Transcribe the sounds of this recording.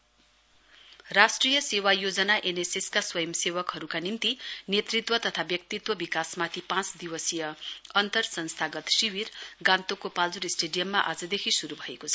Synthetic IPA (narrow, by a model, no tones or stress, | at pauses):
rasʈrijʌsewajod͡zʌnaʔeneseskaswʌjʌmsewʌkɦʌɾukanint̪inet̪rit̪wʌt̪ʌt̪ʰabjʌk̚t̪it̪wʌbikasmat̪ʰipãt͡sd̪iwʌsijʌʌnt̪ʌrsʌnst̪ʰaɡʌt̪siwirɡãnt̪okopald͡zuɾisʈeɖijʌmːaʔa̰d͡zʌd̪ekʰisuɾubʱʌekot͡sʰʌ